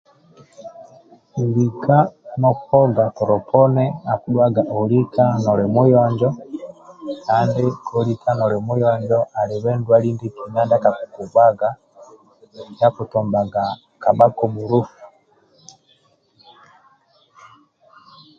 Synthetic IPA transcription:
u˨li˨kʰa˦nɔ˦kɔ˦ɡa˨tɔ˨ɾɔ˨pʰɔ˦nɛ˦a˨ku˦ɗwa˦ɡa˨ʔo˨li˦kʰa˦nɔ˨ɾɛ˨mu˦jɔɲd͡ʒɔ˦ | ka˦ndi˦kʰɔ˦litʰa˦nɔ˨ɾɛ˨mu˦jɔɲd͡ʒɔʔa˨li˨βɛ˦ndwa˦li˦ndi˦ki˨ɲa˦nda˦ka˨kuku˨ɡwa˦ɡa˦ | ja˦ku˨tɔ˨mba˨ɡa˨ | ka˨ɓa˦kɔ˨mu˨ɾu˦fu̥˨

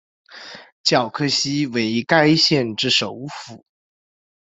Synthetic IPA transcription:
t͡ɕjɑ˨˩ʊkʰɤ˥˩ɕi˥we˧˥ɪi˧˥ka˥ɪɕjɛ˥˧nʈ͡ʂɻ̩˥˩ʂo˧˥ʊfu˨˩˦

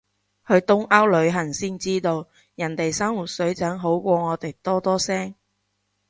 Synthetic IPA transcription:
hɵ˨˧ɥt̪ʊ˥ŋʔɐ˥wlɵ˨˧ɥɦɐ˨˩ŋsiː˥nt͡siː˥t̪o˧w | jɐ˨˩nt̪e˨jsɐ˥ŋwuː˨˩t̚sɵ˨˥ɥt͡sɐ˨˥ŋɦo˨˥wkʷɔː˧ŋɔː˨˧t̪e˨jt̪ɔː˥t̪ɔː˥sɛː˥ŋ

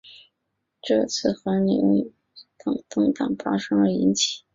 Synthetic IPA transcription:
ʈ͡ʂɤ˥˩t͡sʰɹ̩˥˩xə˧˥ni˨˩wu˥˩ | t̪ɤ˥˩ŋt̪ɤ˥ŋt̪ɑ˥˨˩ŋfa˥ʂɤ˥ŋə˞˧˥i˧˥nt͡ɕʰi̥˨˩˦

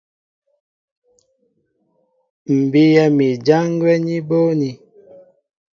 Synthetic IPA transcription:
m̩˨bi˦jɛ˦mi˨d͡ʒa˦ŋ˦ɡwɛ˦ɲi˦bo˦ni˨

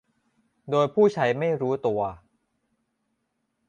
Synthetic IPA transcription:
doː˧jpʰuː˥˩t͡ɕʰa˦˥jma˥˩jɾuː˦˥t̪u˧ɐ

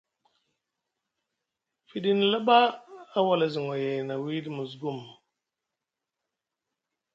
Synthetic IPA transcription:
fi˨di˦n˨la˦baː˦wa˨la˨zi˨ŋo˨je˨na˨wi˦di˨mu˨zɡu˦˨m

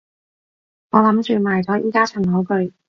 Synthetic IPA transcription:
ŋɔː˨˧lɐ˨˥mt͡ʃyː˧maː˨˩jt͡sɔː˨˥jʔiː˨˧kaː˥t͡ʃʰœ˨˩ŋlɐ˨˥wkɵ˧ɥ

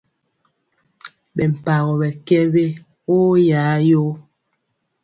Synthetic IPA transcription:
bɛ˨m̩˨pa˨ɣɔ˨bɛ˨kɛ˦be˦ | o˦jaː˨˦jo˦

